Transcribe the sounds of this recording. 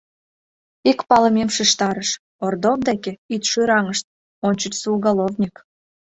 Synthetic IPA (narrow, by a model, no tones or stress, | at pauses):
ikpɑləmʲemʃeʃt̪ɑɾəʃ | ord̪ovd̪ekeit̪ʃyɾɑŋəʃt̪̚ | onʲt͡ɕət͡ɕsulɣɑlovnʲik